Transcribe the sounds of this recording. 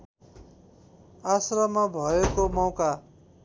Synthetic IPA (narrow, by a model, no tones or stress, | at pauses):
asrʌmʌbʱʌekomʌwka